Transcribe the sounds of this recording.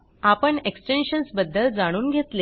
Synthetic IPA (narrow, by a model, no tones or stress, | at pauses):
apəɳeksʈenɕənsbəd̪ʱːəld͡zaɽ̃uːnɡʱet̪le